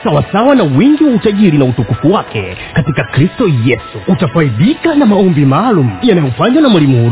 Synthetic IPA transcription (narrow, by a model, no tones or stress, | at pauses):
sawasawanawiŋɡiwautaʄiɾinautukufuwakɛ̰ | katikakɾistɔjɛsuutafaiɗikanamaɔmbimaːlum̩janajɔfaɲwanamwalimuhuɾ